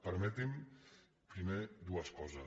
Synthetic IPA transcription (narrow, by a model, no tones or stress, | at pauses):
pəɾmɛt̪im | pɾimed̪uaskɔza